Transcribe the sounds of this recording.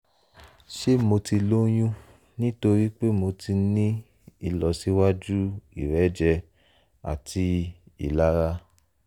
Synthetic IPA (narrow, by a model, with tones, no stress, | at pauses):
ʃe˦mo˧ti˧lo˦j̃ũ˦ | nĩ˦to˧ɾi˦k͡pe˦mo˧ti˧nĩ˦ | i˦˨lɔ˨si˨˦wa˦d͡ʒu˦i˨ɾɛ˨˦d͡ʒɛ˧ | a̰˨tʰi˧ḭ˨la˦ɾa˦